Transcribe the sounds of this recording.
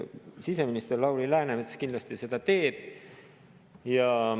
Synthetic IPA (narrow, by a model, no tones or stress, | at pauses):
sise̞minist̪erlɑwlilæːnemet̪se̥kind̪lɑst̪ise̞d̪̥ɑt̪e̞ːb̥ | jɑ